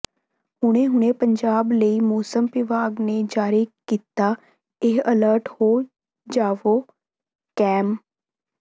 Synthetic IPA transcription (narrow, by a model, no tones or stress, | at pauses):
hʊɽ̃eːɦʊɳ̃eːpəɲd͡ʒaːbləiːmuːsəmpɪʋaːɡneːd͡ʒaːɾiːkiːt̪aː | eːələɾʈhoː | d͡ʒaːʋoː | kɛːm